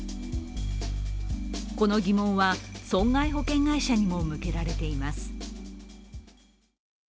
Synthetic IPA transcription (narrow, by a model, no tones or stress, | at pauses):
ko̞no̞ɡʲimõ̞ɰ̃βasõ̞ŋɡaiɦo̞kẽ̞ŋɡaiɕaɲ̟imo̞mɯ̟ke̞ɾaɾe̞t̪e̞imasɨ̥